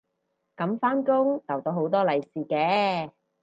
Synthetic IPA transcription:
kɐ˨˧˥mfaː˥nkʊ˥ŋt͡sɐ˨˩wt̪o˧˥ɦo˨˥wt̪ɔː˥lɐ˨˧jsiː˨kɛː˧

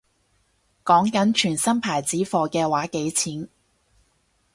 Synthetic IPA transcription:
kɔː˨˥ŋkɐ˨˥nt͡ʃʰyː˨˩nsɐ˥mpʰaː˨˩jt͡siː˨˥fɔː˧kɛː˧waː˨˥ke˨˥jt͡sʰiː˨˥n

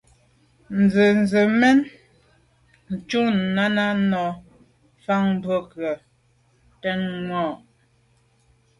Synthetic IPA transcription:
n̩˨zə˨n˨zə˨mɛ˦n | n̩˨t͡ʃu˦n̩˨na˦na˦nɔ˨ | fa˦ŋm˦bə˦kɰə˨ | tɛ˦nŋwɔ˦˨ʔ

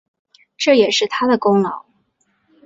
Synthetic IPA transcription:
ʈ͡ʂɤ˥˩jɛ˨˩ʂɻ̩˥˩t̪ʰa˥d̪ə˨kʊ˥ŋlɑ˨˧˥ʊ

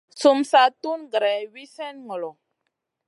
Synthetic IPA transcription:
su˨msa˨tu˦nɡɾɛ˨wi˦sɛ˦nŋɔ˨lɔ˨

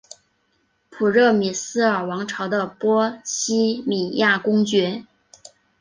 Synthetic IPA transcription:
pʰu˨˩ɻɤ˥˩mi˨˩sɹ̩˥ə˞˨˩wɑ˧˥ŋʈ͡ʂʰɑ˧˥ʊd̪ə˧pwɔ˥ɕi˥mi˨˩ja˥˩kʊ˥ŋt͡ɕɥɛ˧˥

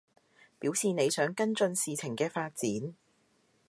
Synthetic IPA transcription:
piː˨˥wsiː˨ne˨˧jsœː˨˥ŋkɐ˥nt͡sɵ˧nsiː˨t͡sʰɪ˨˩ŋkɛː˧faː˧t̚t͡siː˨˥n

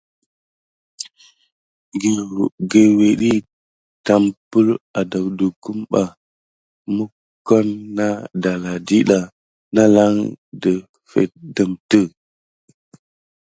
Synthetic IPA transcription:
ɡe˨we˨ɗi˦ | ta˨mpə˦ɾa˨da˨wdə˨ku˦mɓa˨ | mə˦ | ko˦nːa˦da˨la˨di˦ɗa˨ | na˦la˦ŋdə˨ | fḛ˨t̚də˨mtə˦˨

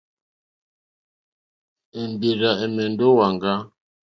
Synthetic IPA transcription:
e˨mbe˨ɾa˨ɛ˨mɛ˨ndo˦wa˨ŋɡa˦

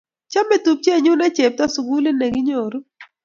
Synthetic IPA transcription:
t͡ʃa˦me˨tu˨p̚t͡ʃe˦˨ɲu˦nɛ˦t͡ʃe˨p̚ta˦su˨ɡu˦le˦ne˨ɡi˦ɲo˨ɾo˦

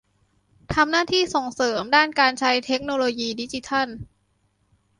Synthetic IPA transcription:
t̪ʰa˧mnaː˥˩t̪ʰiː˥˩so˨˩˦ŋsɤː˩˦mdaː˥˩nkaː˧nt͡ɕʰa˦˥jt̪ʰe˦˥k̚noː˧loː˧jiː˧di˦˥t͡ɕi˧˥t̪ʰa˥˩n

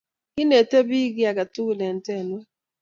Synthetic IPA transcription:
ki˦ne˨te˦bi˦ɡi˦a˨ɡa˨tu˦ɣu˨ne˨n̩˨te˦˨nwe˦

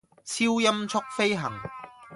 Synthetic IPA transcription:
t͡sʰiː˥wjɐ˥mt͡sʰʊ˥k̚fe˥jɦɐ̰˨˩ŋ

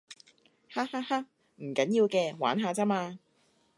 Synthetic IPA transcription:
ha˥haː˥ha˥k̚ | m̩˨˩kɐ˨˦˥njiː˧wkɛː˧wa̰ː˨˥nɦaː˨˧t͡saː˥maː˧

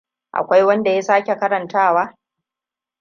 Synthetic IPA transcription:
ʔa̰˨kʷa˦jwɐ˦nda˨ja˦saː˦kʲe˨kɐ˦ɾɐ˨ntaː˦waː˦

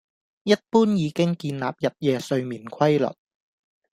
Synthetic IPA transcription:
jɐ˥t̚puː˥njiː˨˧kɪ˥ŋkiː˧nla̰ː˨˩p̚jɐ˨˩p̚jɛː˨˧sɵ˧ɥmiː˨˩nkʰɐ˥jlɵ̰˨t̚

